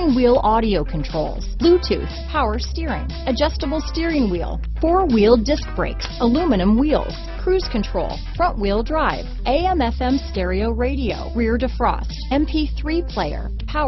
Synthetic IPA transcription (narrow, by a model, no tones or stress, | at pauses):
ŋwilˠɑɾioʊkʰɨ̃n̩tʰɹ̥oʊlˠz̥lʉtʰʉ̰spʰaʊə˞stɪɹɪ̰̃ŋ | ɨd͡ʒʌstəbl̩ˠstɪɹɪ̃ŋwḭlˠ | fɔɹwilˠdɪsk̚b̥ɹeɪksəlʉmɨnɨ̃mwilˠz̥kʰɹ̥ʉz̥kʰɨ̃ntʰɹ̥oʊlˠfɹʌ̃nʔwilˠdɹaɪvʔeɪɛ̃mɛfɛ̃mstɛɹioʊɹeɪɾio̰ʊɹɪɹdɨfɹɔ̰stɛ̃mpʰiθɹipʰl̥eɪə̰˞ | pʰaʊ